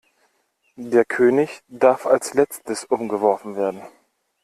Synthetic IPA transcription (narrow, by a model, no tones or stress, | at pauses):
deːɐkʰøːnɪçd̥aɐfalslɛt͡stəsʔʊmɡəvɔɐfn̩veːɐdn̩